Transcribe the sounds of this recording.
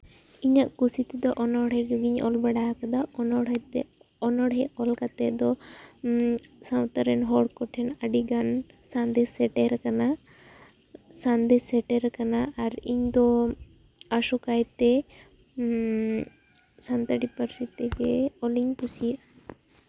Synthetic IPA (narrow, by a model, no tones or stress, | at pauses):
iɲaʔkusit̪ɛd̪ɔʔɔnɔɽɦɛɡəɡiɲɔ̰lbaɽaɦakad̪aɔnɔɽɦɛt̪ɛɔnɔɽɦɛɔlkat̪ɛd̪ɔ | sãwt̪aɾɛnɦɔɽkɔʈʰɛnaɖiɡansand̪ɛsɛʈɛɾkana | sand̪ɛsɛʈɛɾkanaʔaɾiɲd̪ɔ | asɔkajt̪ɛ | sant̪aɖipəɾsit̪ɛɡɛɔliɲpusiaʔ